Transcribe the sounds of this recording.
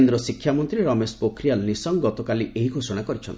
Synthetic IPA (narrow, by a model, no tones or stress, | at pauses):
nd̪ɾɔsikʰːjamɔnt̪ɾieɾɔmespokʰɾijalnisɔŋɡɔt̪ɔkaliʔeɦiɡʱosɔɽ̃akɔɾit͡ʃʰɔnt̪i